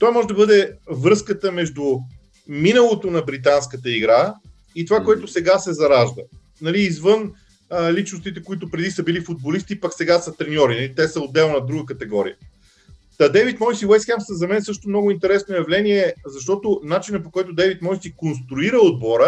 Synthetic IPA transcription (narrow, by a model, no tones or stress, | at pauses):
t̪ɔjmɔʒɛd̪ɐbɤd̪ɛvɾɤskət̪əmɛʒd̪ʊ | minəlˠot̪onɐbɾit̪anskət̪əiɡɾa | it̪ovakoɛt̪ʊsɛɡasɛzɐɾaʒd̪ə̰ | nɐliːzvɤn | lit͡ʃnʊst̪it̪ɛkoit̪̬ʊpɾɛd̪isəbilifʊd̪̚bolist̪ipaksɛɡasət̪ɾɛnʲɔɾinɐlit̪ɛsəod̪ːɛlˠnɐd̪ɾuɡək̬ɐt̪ɛɡɔɾḭə | ad̪ɛvit̪mɔjsiwɛsxamsəzɐmɛnsɤʃt̪omnɔɡʊint̪ɛɾɛsnojɐvlɛniɛzɐʃt̪ɔt̪onat͡ʃinəpokɔjt̪ʊd̪ɛvit̪mɔjsikonst̪ɾuiɾəod̪̚bɔɾə